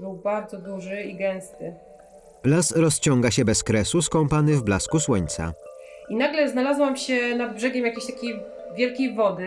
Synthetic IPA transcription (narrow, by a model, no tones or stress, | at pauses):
bɘwbaɾd̪zɔd̪uʐɘiɡɛw̃st̪ɘ | lasɾɔst͡ɕɔŋɡaɕɛbɛskɾɛsuskɔ̃mpanɘvblaskuswɔɲt̪sa̰inaɡlɛznalazwamɕɛnad̪̚bʐɛɡʲɛmjakʲeɕt̪akʲej | vʲjɛlkʲejvɔd̪ɘ